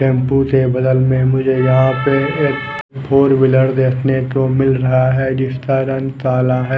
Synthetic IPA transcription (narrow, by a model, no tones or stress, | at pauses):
ʈɛ̃ːmpũsebɐd̪əlmẽmʊd͡ʒʱejɐɦãpeeːk | bʰʱoːɾbɪləɽd̪eːkʰnek̪omɪlɾɐɦaɦɛd͡ʒɪst̪əːɾənsaːlaɦɛː